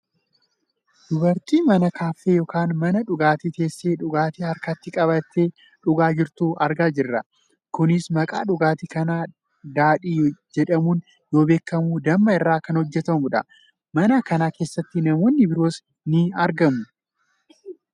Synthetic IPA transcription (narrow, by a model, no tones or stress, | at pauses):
d̪̥ʊbɐɾt̪iːmɐnɐkaːfːeːjɔkaːnmɐnɐᶑʊɡaːt̪it̪e̞ːsːe̞ːᶑʊɡaːt̪ihɐɾkat̪ːɪkʼɐbɐt̪ːeː | ᶑʊɡaːd͡ʒɪɾt̪uːɐɾɡaːd͡ʒɪrːɐ | kʊnɪsmɐkʼa̰ːᶑʊɡaːt̪ikɐnaː | d̪aːᶑiːjd͡ʒɛᶑɐmuːn | jo̞ːbe̞ːkːɐmuːd̪ɐmːɐɪrːaːkɐnhɔd͡ʒːɛt̪ɐmʊᶑɐ̰ | mɐnɐkɐnaːke̞ːsːɐt̪ːɪnɐmo̞ːnːɪbɪɾo̞ːs | nɪɐɾɡɐmʊ